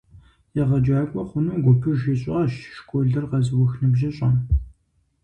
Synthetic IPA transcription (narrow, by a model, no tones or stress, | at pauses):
jɛʁɐd͡ʒaːkʷʼɔχʷʊnuːɡʷɔpʰɨʒɪɕʼɪɐʃʃkʷʰʼɔɮɐrqɐzɨwɔxnɨbʒɪɕʼɐn